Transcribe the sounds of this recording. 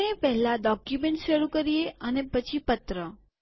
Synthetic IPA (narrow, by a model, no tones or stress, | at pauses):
epɛɦlaɖɔkjumẽɳʈʃəɾukəɾieənepət͡ʃʰipət̪ɾə